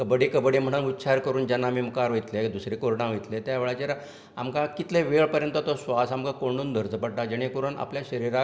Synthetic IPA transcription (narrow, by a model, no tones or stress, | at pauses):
kəbɽikəbəɽim̤əɽ̃uːnut̪ːɕʰaɾkəɾuːnd͡ʑanːamiːmukaɾʋojt̪led̪usɾikoɾɳaʋəjt̪let̪jaʋeɭat͡ɕeɾ | amkakit̪leʋeɭpəɾjənt̪ət̪ɔsʋasamkakoɳuːnd̪ʱəɾd͡zəpəɽʈad͡ʑəɽ̃ekuɾuna̰pljaɕəɾiɾa